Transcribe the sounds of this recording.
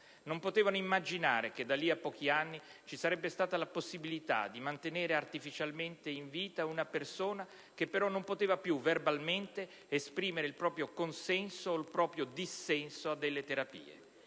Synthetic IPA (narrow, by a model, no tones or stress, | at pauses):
nompot̪eːvanoimːad͡ʒinaːɾeked̪alːiapːɔːkianːit͡ʃisaɾɛbːest̪aːt̪alaposːibilit̪a̰d̪ːimant̪eneːɾeart̪ifit͡ʃalment̪eiɱviːt̪aunapersoːna | kepːeɾɔnompot̪eːvapjuverbalment̪e | espɾiːmeɾeilpɾɔːpɾjokonsɛnsoːlpɾɔːpɾjod̪isːɛnsoad̪ːelːet̪eɾapḭːḛ